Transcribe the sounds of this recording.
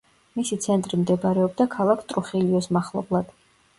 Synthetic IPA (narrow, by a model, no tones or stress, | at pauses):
misit̪sʰɛnt̪ʼɾimd̪ɛbaɾɛɔb̚d̪akʰalˠakʰt̪ʼɾuχiliɔsmaχlˠɔ̰blˠad̪̥